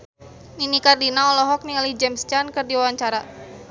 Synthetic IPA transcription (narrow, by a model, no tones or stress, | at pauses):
ninikardinaɔlɔɦɔk̚nialid͡ʒɛmst͡ʃankɨrdiwawaɲt͡ʃaɾa